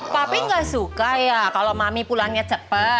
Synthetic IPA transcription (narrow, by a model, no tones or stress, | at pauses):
papiŋɡaʔsukajakalomamipulaŋɲat͡ʃəpə